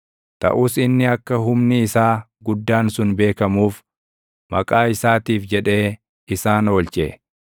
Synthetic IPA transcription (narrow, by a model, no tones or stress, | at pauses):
t̪ɐ̰ʔuːsɪnːɪɐkːɐɦʊmnɪːsaː | ɡʊd̪ːaːnsʊnbe̞ːkɐmuːf | mɐkʼaːɪsaːt̪iːfd͡ʒɛᶑe̞ː | ɪsaːnoːlt͡ʃʼɛ